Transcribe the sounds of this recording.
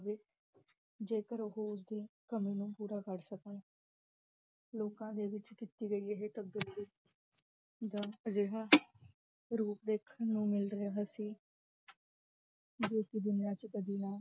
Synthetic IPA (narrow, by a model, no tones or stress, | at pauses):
ʋeː | d͡ʒeːkəɾoɦoːʊs̬d̪iːkəmĩːnũːpuːɾaːkəɾsəkən | loːkãːd̪eːʋɪt͡ʃkiːt̪iːɡəiːeɦeːt̪əb̚d̪ɪlbɪ | d̪aːəd͡ʒeːɦaː | ɾuːpd̪eːkʰənũːmɪlɾəaːɦaːsiː | d͡ʒoːkɪd̪ʊnijaːt͡ʃkəd̪iːnaː